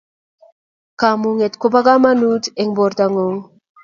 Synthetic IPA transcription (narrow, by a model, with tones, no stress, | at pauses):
kamuŋe˨t̪ko˦pa˦ka˦ma˦nu˦t̪e˨ŋbo˨ɾt̪aŋoŋ